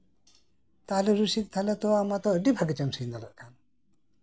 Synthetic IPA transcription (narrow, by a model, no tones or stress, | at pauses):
t̪alɛɾusik̚t̪ʰalɛt̪ɔamat̪ɔəɖibʱaɡɛt͡ʃamsijnd̪ala̰ʔkʰan